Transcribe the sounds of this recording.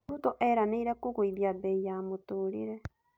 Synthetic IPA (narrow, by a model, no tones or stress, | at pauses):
utoʔeɾaneiɾekuɣuiβiaβeijamotuːɾḭɾe